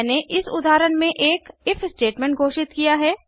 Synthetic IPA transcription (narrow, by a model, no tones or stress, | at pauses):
neʔɪsʊ̰d̪aːɾənmẽʔeːkɪfsʈeːʈmɛ̃ːɳʈ̚ɡʱoːʃɪt̪kijaɦɛː